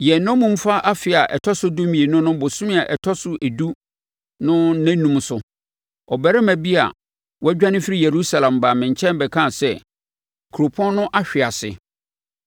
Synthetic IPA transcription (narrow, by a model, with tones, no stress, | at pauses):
jɛ˨nɔ̃˦mũ˦m̩˦fa˦ʔa˦fɪ˨a˨ʔɛ̰˨tʰɔ˦sʊ˦do˦mĩ˨e˨nʊ̃˦nʊ̃˦bʊ˨sʊ̃˦mɪ̃˦a˨ʔɛ˨tʰɔ˦sʊ˦ʔe˨du˦ | nʊ̃˦næ̃˦nːũ˦msʊ˨ | ɔ˨bɛ˦ɾɪ˦mæ̃˨bi˦a̰˨ | wɔ˦æ˦d͡ʑᶣa˦nɪ̃˦fi˦ɾi˦je˨ɾu˦sa˨lã˨mba˨mɪ̃˨ɲ˨t͡ɕʰɛ̃˦nbɛ˨kʰã˦˨sɛ˦˨ | kʰu˨ɾo˨pʰɔ̃˦n˦nʊ̃˦ʔa˦ɕᶣɪ˨a˨sɪ̰˨